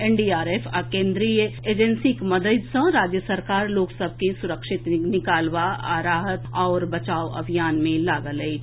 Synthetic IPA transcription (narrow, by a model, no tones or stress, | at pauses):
ẽːɳɖiːaːɾeːfʰakẽːnd̪ɾiːjəeːd͡ʒensikmɐd̪əd͡ʒ̪sə̃ɾaːd͡ʒjəsɐɾkaːɾloːksəbʱkisʊɾəkʃɪt̪nɪkaːlʋaa̰ːɾaːɦət̪ɔːɾbɐt͡ʃaːoɐ̰bʱijaːnmẽlaːɡələi